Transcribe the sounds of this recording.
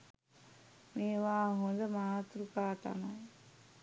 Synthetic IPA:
meːʋaːɦond̪əmaːt̪ɾukaːt̪a̰maj

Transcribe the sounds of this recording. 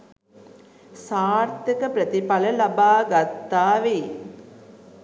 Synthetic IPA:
saːrt̪əkəpɾət̪ipaləlabaːɡat̪ːaːʋeː

